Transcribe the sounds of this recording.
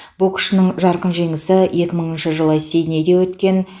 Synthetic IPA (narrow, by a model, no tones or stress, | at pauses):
bʊlˠkʲʰɪ̥ʃɪnɪɴʒɑɾqənʒe̞ŋɪsɪje̞kʲɪməɴənʃəʒəlˠəse̞jned̪e̞wɵt̪kʲe̞n